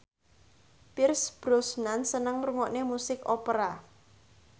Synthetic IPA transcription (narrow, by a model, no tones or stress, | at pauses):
pɪrsb̥ɾosnansənəŋruŋɔʔnemusɪkɔpəɾa